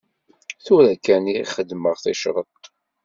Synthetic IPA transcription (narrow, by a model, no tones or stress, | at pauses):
θʊɾækːæniχəd̪məʁθiʃɾˤət̪ˤ